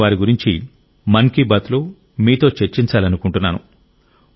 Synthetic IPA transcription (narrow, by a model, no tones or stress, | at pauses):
ʋaːɾiɡuɾiɲt͡ʃi | mɐŋkibɐt̪lu | miːt̪o̞ːt͡ʃeɾt͡ʃːiɲt͡ʃaːlɐnukuɳʈunːaːnu